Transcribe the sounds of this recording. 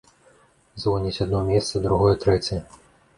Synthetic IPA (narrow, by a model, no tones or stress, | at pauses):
zvɔnʲit͡sʲad̪nɔmʲɛst̪sɐd̪ɾuɣɔjɛt̪ɾɛt͡sʲɛjɛ